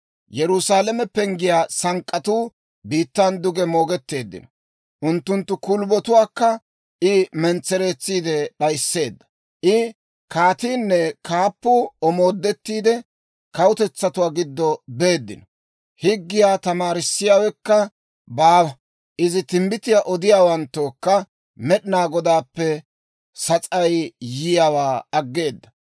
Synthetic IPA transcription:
jɛɾʊsaːlɐmɛpːɛŋɡɪjaːsɐŋkʼːɐt̪uː | biːt̪ːand̪ʊɡɛmo̞ːɡɛt̪ːe̞ːd̪ːɪ̰nɔ | ʔʊnt̪ːʊnt̪ːʊkʊlbɔt̪ʊwaːkːɐ | ʔɪmɛnt͡sːɛɾe̞ːt͡sːiːd̪ɛɗɐjsːe̞ːd̪ːɐ̥ | ʔɪ | kaːt̪iːnːɛkaːpːʊɔmo̞ːd̪ːɛt̪ːiːd̪ɛ | kɐwʊt̪ɛt͡sːɐt̪ʊwaːɡɪd̪ːɔbe̞ːd̪ːɪ̰nɔ | hɪɡːɪjaːt̪ɐmaːɾɪsːɪjaːwɛkːɐ | baːwɐ | ʔɪzɪt̪ɪmbɪt̪ɪjaʔɔd̪ɪjaːwɐnt̪ːoːkːɐ | mɛɗɪnaːɡɔd̪aːpːɛ | sɐt͡sʼɐjjɪjawaːɐɡːe̞ːd̪ːɐ

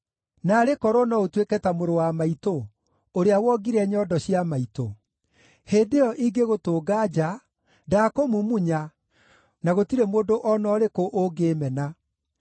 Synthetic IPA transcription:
naːɾekɔɾɔnɔotwekɛtamoɾowamaito | oɾeawɔɡiɾɛɲɔdɔɕiamaito | heːdeɔʔiɡeɣotoːɡad͡ʒa | daːkomumuɲa | naɣotiɾemoːndoʔɔnɔːɾekoʔoɡeːmɛna

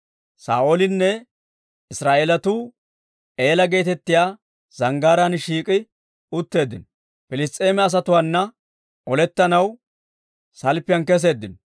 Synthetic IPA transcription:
sa̰ːʔolɪnːɛ | ɪsɾaːʔeːlɐt̪uː | e̞ːlɐɡe̞ːt̪ɛt̪ːɪjaː | z̥ɐŋɡaːɾɐnʃiːkʼɪ | ʊt̪ːe̞ːd̪ːɪn | pɪlɪs̬t̪ʼe̞ːmɛɐs̬ɐt̪ʊwaːnːɐ | ʔɔlɛt̪ːɐnɐw | sɐlpːɪjɐnkɛs̬e̞ːd̪ːɪnɔ

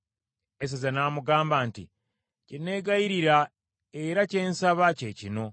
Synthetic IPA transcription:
es̬ezanaːmuɡaːmbaːntḭ | cine̞ːɡaiɾiɾa | eɾaceːnsaβace̞cino̞

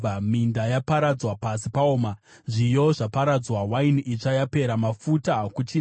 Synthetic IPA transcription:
amindajapaɾad͡zwapasipaoːma | ʐijo̞ʐapaɾad͡zwawainʔit͡ʂajape̞ɾamafutakut͡ʃi

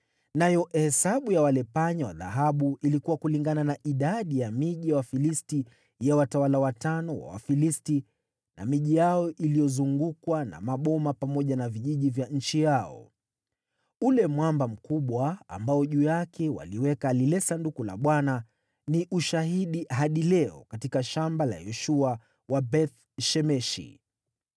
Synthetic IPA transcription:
najɔhɛsaɓujawalɛpaɲawa̰ða̰ɦaɓuilikuwakuliŋɡananaʔiɗaɗijamiʄijawafilisti | jawatawalawatanɔwa̰wa̰filisti | na̰miʄijaɔʔilijɔzuŋɡukwana̰maɓɔmapamɔʄanaviʄiʄivjaɲ̩t͡ʃijaɔ̰ | ulɛmwambam̩kuɓwa̰ːmbaɔʄuːjakʰɛwa̰liwɛkaːlilɛsandukula̰ɓwana | niʔuʃaɦiɗiɦaɗilɛɔ̰katikaʃambala̰jɛʃua | wabɛθ | ʃɛmɛʃḭ

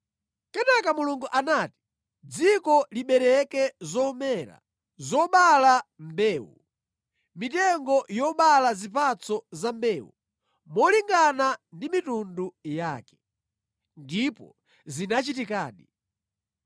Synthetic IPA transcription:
kɛnakamuluŋɡuʔanaːti̥ | d͡zikɔliɓɛɾɛkɛzɔmɛɾa̰ | zɔɓalambɛːwṵ | mitɛŋɡɔjɔɓalazipat͡sɔzambɛːwṵ | mɔliŋɡanandimitundujaːkɛ̥ | ndipɔ | zinat͡ʃit̬ikaːɗi

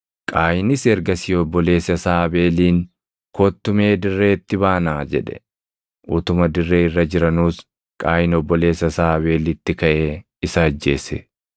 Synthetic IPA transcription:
kʼaːjɪnɪsɛɾɡɐsiːɔbːɔle̞ːsɐsaːbe̞ːliːŋ | kʰoːt̪ːʊme̞ːd̪ɪrːe̞ːt̪ːɪbaːnaːd͡ʒɛ̰ᶑɛ̥̰ | ʔut̪ʊmɐd̪ɪrːe̞ːɪrːɐd͡ʒɪɾɐnuːs | kʼaːjɪnɔbːɔle̞ːsɐsaːɐβe̞ːlɪt̪ːɪkɐʔeː | ɪsɐːd͡ʒːe̞̰ːsḛ

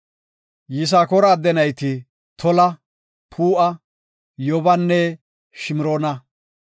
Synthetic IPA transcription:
jɪs̬aːkɔɾɐːd̪ɛnɐjt̪ɪ | t̪ʰɔlɐ | pʰuːʔɐ | jɔbɐnːɛ | ʃɪmɪɾoːnɐ

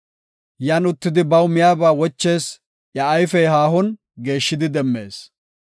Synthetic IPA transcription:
jaːnʊt̪ːɪd̪ɪbɐwmɪjaːbaːwɔt͡ʃːe̞ːs | ʔjɐɐjfɛjɦaːhɔn | ɡe̞ːʃːɪd̪ɪd̪ɛmːe̞̰ːs

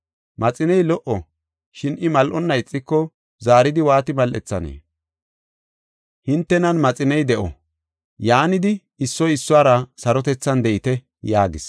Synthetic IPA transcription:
mɐt͡sʼɪnɛjlɔʔɔ | ʃɪnɪmɐlʔɔnːɐjt͡sʼːɪkːɔ | zaːɾɪd̪ɪwaːt̪ɪmɐlʔɛ̰t͡sːɐnḛː | hɪnt̪ːɛnɐnmɐt͡sʼɪnɛjd̪ɛʔɔ̰ | jaːnɪd̪ɪː | sːɔjɪsːʊaːɾɐsɐɾɔt̪ɛt͡sːɐnd̪ɛʔɪt̪ɛ | jaːɡɪs

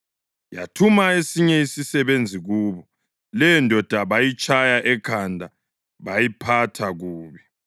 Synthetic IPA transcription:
ja̰tʰumaesiɲɛisisɛβend͡zʱiɣuːβɔ | lɛjɔndʱɔd̥ʱaβajit͡ʃʼajaʔɛkʰandʱa | βajipʰatʰaɣuːβi

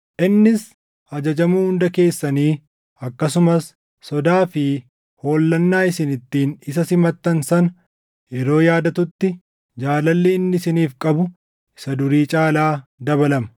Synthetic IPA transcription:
ʔɪnːɪs | ʔɐd͡ʒɐd͡ʒɐmuːhʊnd̪ɐke̞ːsːɐniː | ɐkːɐs̬ʊmɐsː | ɔd̪aːfɪ | ho̞ːlːɐnːaːɪsɪnɪt̪ːiːnɪsɐsɪmɐt̪ːɐnsɐnɐ | ɛɾo̞ːjaːd̪ɐt̪ʊt̪ːɪ | d͡ʒaːlɐlːɛɪnːɪsɪniːfkʼɐbʊ | ɪ̥sɐd̪ʊɾiːt͡ʃʼaːlaːd̪ɐbɐlɐmɐ̥

